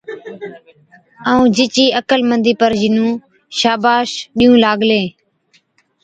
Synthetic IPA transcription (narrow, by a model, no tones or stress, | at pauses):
aːũːd͡ʒɪt͡ʃiːəkəlmənd̪iːpəɾd͡ʒinũː | ʃaːbaːʃɗĩːũːlaːɡleː